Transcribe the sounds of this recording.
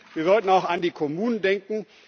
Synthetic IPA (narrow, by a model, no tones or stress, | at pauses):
viːɐzɔltn̩aʊxandiːkʰɔmuːnəndɛŋkŋ̩